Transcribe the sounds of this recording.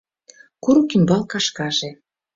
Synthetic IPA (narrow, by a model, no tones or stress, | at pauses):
kuɾukimbɑlkɑʃkɑʒĕ